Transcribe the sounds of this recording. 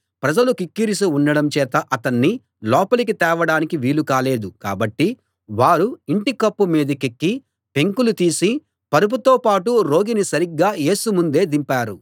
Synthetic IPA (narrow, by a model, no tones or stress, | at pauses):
pɾɐd͡ʒɐlukikːiɾis̬iunːɐɽɐmt͡ʃɛːt̪ɐʔɐt̪ɐnːi | lɔːpɐlikit̪ɛːʋɐɽaːnikiʋiːlukaːle̞ːd̪uka̰ːbɐʈːi | ʋaːɾuiɳʈikɐpːumiːd̪ɐkekːi | pe̞ŋkulut̪iːsi | pɐɾup̬ut̪oːpaːʈuɾo̞ːɡinisɐɾiɡːaːje̞ːsumund̪e̞ːd̪impaːɾu